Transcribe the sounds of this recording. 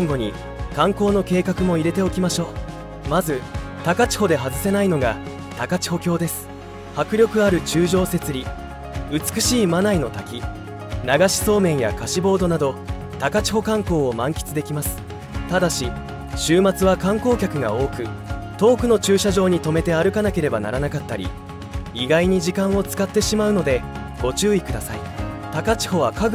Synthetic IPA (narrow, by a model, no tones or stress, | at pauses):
õŋɡo̞ɲ̟i | kãŋko̞ːno̞ke̞ːkakɯ̟mo̞iɾe̞t̪e̞o̞kʲimaɕo̞ː | mazɨ | t̪akat͡ɕi̥ho̞d̪e̞ɦazɨse̞naino̞ɡa | t̪akat͡ɕi̥ho̞kʲo̞ːd̪e̞sɨ̥ | hakɯ̟ɾʲjo̞kɯ̟aɾɯ̟t͡ɕɨːʑo̞ːse̞t͡sɨɾʲi | ɯ̟t͡sɨ̥kɯ̟ɕiːmanaino̞t̪akʲi | naɡaɕi̥so̞ːmẽ̞ɰ̃ja̰kaɕibo̞ːd̪o̞nad̪o̞ | t̪akat͡ɕi̥ho̞kãŋko̞ːmãŋkʲi̥t͡sɨd̪e̞kʲimasɨ̥ | t̪ad̪aɕi | ɕɨːmat͡sɨβakãŋko̞ːkʲakɯ̟ɡa̰o̞ːkɯ̟ | t̪o̞ːkɯ̟no̞t͡ɕɨːɕaʑo̞ːɲ̟it̪o̞me̞t̪e̞aɾɯ̟kanake̞ɾe̞bana̰ɾanakat̪ːaɾʲḭ | iɡaiɲ̟iʑikãɰ̃o̞t͡sɨ̥kat̪ːe̞ɕimaɯ̟no̞d̪e̞ | ɡ̥o̞t͡ɕɨːikɯ̟d̪asaḭ | t̪akat͡ɕi̥ho̞β̞akaɡ